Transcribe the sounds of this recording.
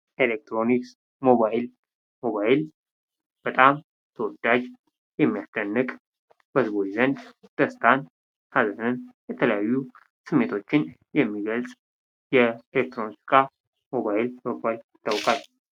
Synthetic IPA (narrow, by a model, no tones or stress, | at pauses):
ʔelek̚t̪ɾo̞niks | mo̞βajɪl | mo̞βajɪl | b̥ət̪ʼam | t̪ʰəwɔd̪ad͡ʒ | jɛmːijasd̪ənːɨkʼ | b̥əzβo̞t͡ʃzənd̪d̪̥əst̪ʰan | hazənɨnjɛt̪ʰələjajːu | sɨmːe̞t̪ʰo̞t͡ʃːɪnjɛmːiɡəlsʼ | jɛelek̚t̪ɾo̞nikkʼa | mo̞βaɪlmoɡaljɪt̪ʰːawkʼal